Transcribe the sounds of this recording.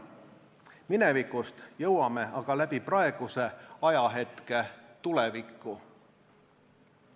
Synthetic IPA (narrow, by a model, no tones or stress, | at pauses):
minevikust̪jɤwɑme̞ɑɡ̥ɑlæb̥iprɑe̞ɡ̥use̞ɑjɑɦe̞t̪ke̞t̪ulevikːˑu